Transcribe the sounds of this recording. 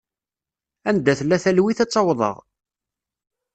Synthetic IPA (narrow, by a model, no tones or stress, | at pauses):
ænd̪æθlːæθælwiθæt͡sˤːɑwðˤə̰ʁ